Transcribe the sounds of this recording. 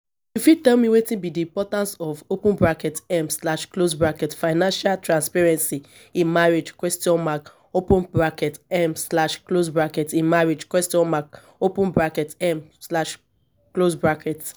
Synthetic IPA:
jufitɛlmiwetĩnbidiĩpɔtãnsɔvopũnbɾakɛtɛmslaʃklos̬bɹakɛtfaɪnãnʃaltɾãnspɛɹɛ̃nsi | ĩnmaɾed͡ʒkwɛstiɔ̃nmak | opũnbɾakɛtɛmslaʃklos̬bɹakɛtĩnmaɾed͡ʒkwɛstiɔ̃nmak | opũnbɹakɛtɛmslaʃ | klosbɹakʰɛt

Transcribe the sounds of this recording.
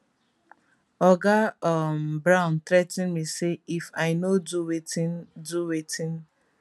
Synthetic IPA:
ɔɡaɔmbɾãʊ̃ntɾɛtɪ̃nmiseifaɪnoduweinduwetĩn

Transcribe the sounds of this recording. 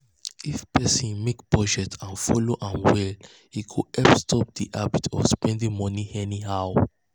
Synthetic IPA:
ifpʰɛsĩnmekb̥ɔd͡ʒɛtʰãnfɔloʔãnwɛl | hikʰuɛpstʰɔp̚diʔabitʰɔfspɛ̃ndĩŋmɔniɛniɦaʊ

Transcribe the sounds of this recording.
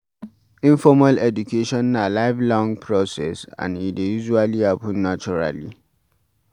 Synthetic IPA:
ĩɱfɔmalɛd͡ʒukʰeʃɔ̃nːalaɪvlɔ̃ŋɡpʰɹɔsɛsã̰nidejuʒualiapũnːat͡ʃɔɹa̰lḭ

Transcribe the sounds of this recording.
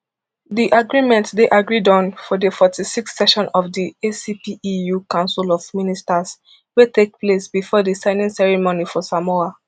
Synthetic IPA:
diʔaɡɹimɛ̃ntdeʔaɡɹidɔ̃nfɔdəfɔtisikssɛʃɔ̃nɔvdiesipiijukãʊ̃nsilɔvministas | wetʰek̚plesbifɔdisãɪnĩŋsɛɹimonifɔsamɔa

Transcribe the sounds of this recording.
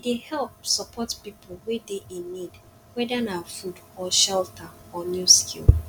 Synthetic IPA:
dehɛlp̚sɔpʰɔtpipʰɔl̩wɛdeʔinid | wɛdanawafudɔʃɛltʰaɔnjuskʰḭlˠ

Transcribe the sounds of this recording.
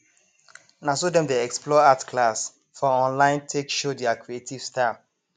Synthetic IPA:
nasodɛ̃mdeɛksplɔatkʰlas | fɔɔ̃nlãɪ̃ntʰekʃodɛakɹietiv̥sta

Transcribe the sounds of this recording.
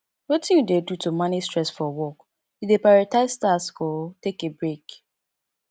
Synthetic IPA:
wetĩjudedutʰumanistɹɛsfɔwɔk | judepaɹataɪsstaskɔtekebɹek

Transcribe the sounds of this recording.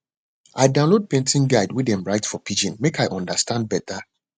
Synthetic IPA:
ʔaɪdãʊ̃lod̚pɛ̃ntĩnɡaɪdwidɛ̃mɹaɪtsfɔpʰid͡ʒĩnmekaɪʔɔ̃ndəstãnd̚bɛtʰa

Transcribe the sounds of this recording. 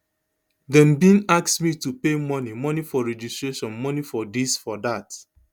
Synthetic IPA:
dɛ̃nbĩnaksmitupemɔnimɔnifɔɹɛd͡ʒustɹeʃɔ̃nmɔnifɔdisfɔdat

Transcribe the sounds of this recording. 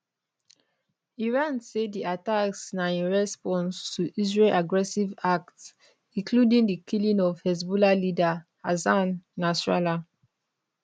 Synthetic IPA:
iɹãnsediataksnaĩnɹɛspɔ̃nstʰuʔizɹelʔaɡɹɛsivak̚ts | ĩŋkʰludĩŋdəkʰilĩnɔvhɛsbulalida | azãnːasɹala

